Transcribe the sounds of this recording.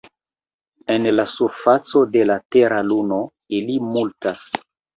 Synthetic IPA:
e̞nlasuɾfat͡so̞de̞late̞ɾaluno̞ | ilimultas

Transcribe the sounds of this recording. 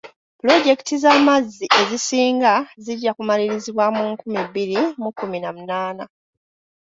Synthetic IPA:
plo̞ɟe̞ki̥tizamazːiʔe̞zisiːŋɡaziɟːakumaliɾiziβwamuŋkumibiɾimukːuminamunaːna

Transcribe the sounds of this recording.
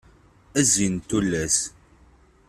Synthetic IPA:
æzint̪ːulːæs

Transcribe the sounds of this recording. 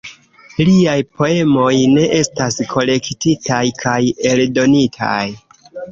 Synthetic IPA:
liajpʰo̞e̞mo̞jne̞ʔe̞staskʰo̞le̞ktitajkʰaje̞ldo̞nitʰa̰j

